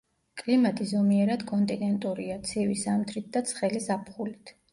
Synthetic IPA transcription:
kʼlimat̪ʼizɔmiɛɾad̪̥kʼɔnt̪ʼinɛnt̪ʼuɾiat̪sʰɛvisamt̪ʰɾit̪̚ʰd̪at̪sʰχɛlisapʰχulit̪ʰ

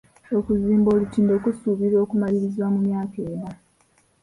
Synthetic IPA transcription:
okuziːmbo̞ːlutiːndekusuβiɾo̞ːkumaliɾizwamumjaːkeːna

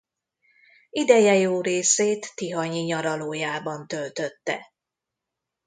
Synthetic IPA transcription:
id̪ɛjɛjoːɾeːseːt̪ːiɦɒɲiɲɒɾɒloːjaːbɒnt̪ølt̪ø̞t̪ːɛ̰

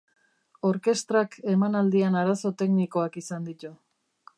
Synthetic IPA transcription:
o̞ɾke̞st̪ɾake̞manald̪ianaɾaso̞t̪e̞kniko̞akisand̪it̪u

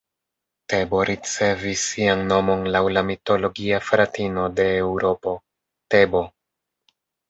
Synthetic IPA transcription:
te̞bo̞ɾʔit͡se̞visːianːo̞mo̞nlawlamito̞lo̞ɡiafɾatino̞de̞ːwɾo̞po̞ | te̞bo̞

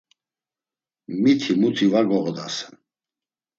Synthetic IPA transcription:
mit̪ʰimut̪ʰivaɡɔʁd̪a̰sɛ̥

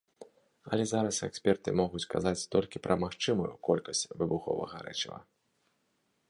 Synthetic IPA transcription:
ɐlʲɛzaɾɐsɛksʲpʲɛrt̪ɨmɔɣut͡sʲkazat͡sʲt̪ɔlʲkʲipɾʔɐmaxt͡ʂɨmujukɔlʲkɐsʲt͡sʲvɨbuxɔ̰vɐ̰ɣɐ̰ɾɛ̰t͡ʃivɐ̰

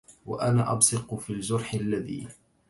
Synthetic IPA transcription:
wa̰ʔanaːʔɑbsɨqfiːld͡ʒʊɾˤħɪlːaðḭː

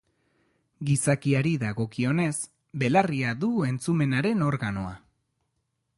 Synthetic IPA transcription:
ɡisakiaɾiðaɣo̞kio̞ne̞s | be̞lariaðue̞nt͡sume̞naɾe̞no̞ɾɣano̞a̰

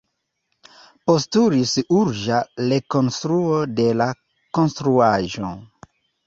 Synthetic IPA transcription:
po̞stuɾisuɾʒale̞ko̞nstɾuode̞la | ko̞nst̪ɾuaʒo

